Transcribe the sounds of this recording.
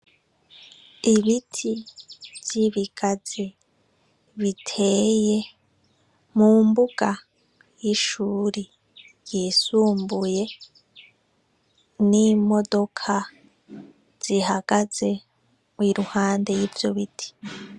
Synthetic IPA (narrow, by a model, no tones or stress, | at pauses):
iβitʰiv̥j̥iβiɡ̥azi | βitʰe̞ːje̞ | muːmbuɡ̥a | jiʃuːɾi | jiːsuːmbuje̞ | nimo̞do̞kʰa | z̥ihaɡ̥az̥e̞ | mwiɾuhaːnde̞jiːvjo̞̰βitʰi̥